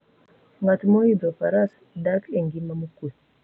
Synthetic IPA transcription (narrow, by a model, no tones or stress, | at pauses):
ŋatmoid̪opaɾas | dakeŋɡimamukut